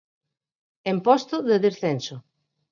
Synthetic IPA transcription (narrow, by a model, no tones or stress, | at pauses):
empɔst̪ʊðeðesθenso